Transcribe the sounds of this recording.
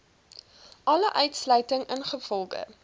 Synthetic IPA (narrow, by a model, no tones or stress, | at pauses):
ʔɐləʔœɥtslœɥtəŋənχəfɔlˠɡə̰